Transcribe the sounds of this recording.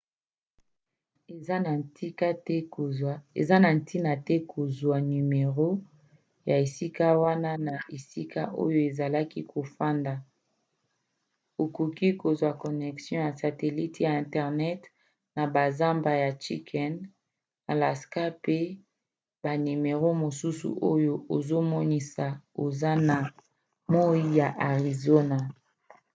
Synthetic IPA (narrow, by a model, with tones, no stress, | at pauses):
i˦ka˦tɛ˦˨ | ḛ˨za˦na˨n̩˨˦ti˦na˨tɛ˦kʰo˨zwa˨ny˨me˨ʁo˦ | ja˨e˨si˦ka˦wa˦na˦na˨e˨si˦ka˦ʔo̰˦jo˦e˨za˨la˦ki˦kʰo˨fa˦nda˨ | o˨ku˨ki˦ko˨zwa˨ko˨nɛ˨ksjɔ̃˦ja˨sa˨te˨li˦tja˨ɛ̃˨ntɛ˨ʁnɛ˦t | na˨ba˨za˦mba˨ja˨t͡ʃi˦kʰɛ˦n | a˨la˨ska˦pe˦ | ba˨ni˨me˨ʁo˦mo˨su˦sṵ˨ʔo˦jo˦o˨zo˦mɔ˦ni˦sa˨o˨za˦na˨ | mo˦i˦ja˨ʔa˨ʁi˨zo˦na˨